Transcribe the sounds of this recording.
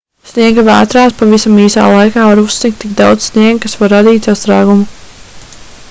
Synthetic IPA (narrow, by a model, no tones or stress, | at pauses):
sniɛɡavæ̰ːt̪ɾaːspavisamiːsa̰ːlˠajkaːvaɾusnʲik̚t̪ːiɡ̚d̪awd̪z̥sniɛɡkasvaɾːad̪iːt̪sawst̪ɾaːɡumu